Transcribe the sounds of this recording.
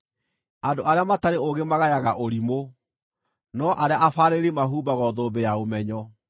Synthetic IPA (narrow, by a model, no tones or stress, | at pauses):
andoʔaɾeamataɾeoɡemaɣajaɣaʔoɾimo | nɔʔaɾeaʔafaːɾeɾemaɦuːbaɣɔðoːbejaomɛɲɔ